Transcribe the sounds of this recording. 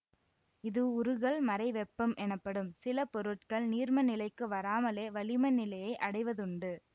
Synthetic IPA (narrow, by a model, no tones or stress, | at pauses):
ɪðɯʊɾɯɣɐɭmɐɾɐɪʋɛpːɐmʔɛnɐpːɐɽɯmsɪlɐpɔɾɯʈkɐɭniːɾmɐnɪlɐɪkːɯʋɐɾaːmɐleːʋɐɭɪmɐɪnɪlɐjɐɪʔɐɽɐɪʋɐðʊɳɖɯ